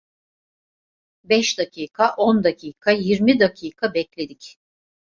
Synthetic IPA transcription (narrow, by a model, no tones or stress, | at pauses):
bɛʃd̪acʰiːkʰaʔo̞nd̪acʰiːkʰajiɾmid̪acʰiːkʰabɛclʲe̞d̪ic